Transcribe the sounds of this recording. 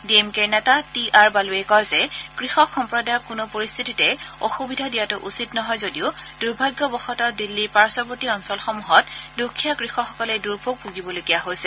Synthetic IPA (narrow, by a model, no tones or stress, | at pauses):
diemkeɹnɛtatiʔaɹbaluɛkɔjzɛkɹixɔkxɔmpɹɔdajɔkʊnʊpoɹist̪ʰititɛoxubidʱadijatʊʔusitnɔɦɔjzodiʊd̥uɹbʱaɡjɔbɔxɔtɔdilːiɹpaɹsɔpotiɔnsɔlxɔmuɦɔtdukʰːijakɹixɔxɔkɔlɛduɹbʱoɡ̚puɡibɔloɡijaɦojsɛ